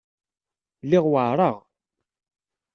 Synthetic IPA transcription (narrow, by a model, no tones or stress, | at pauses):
lɪʁwaʕɾˤɑʁ